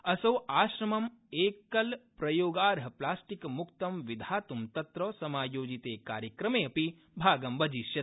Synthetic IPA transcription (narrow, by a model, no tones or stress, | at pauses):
ɐsɐwaːʃɾɐmɐmeːkɐlpɾɐjoːɡaːɾɦɐplaːsʈikmukt̪ɐmʋid̪ʱaːt̪umt̪ɐt̪ɾɔːsɐmaːjoːd͡ʒit̪eːka̰ːɾjɐkɾɐmeːɐpi | bʱaːɡɐmbɐd͡ʒiːʃjɐt̪